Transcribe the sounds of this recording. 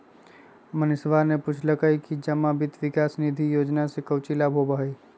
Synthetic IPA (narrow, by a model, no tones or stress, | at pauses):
mənɪsʋaːɾneput͡ʃʰləkaikid͡ʒɐmabɪt̪ʋɪkaːsnid̪ʱijoːd͡ʒnasekɐʊt͡ʃilaːbʱɦobaɦe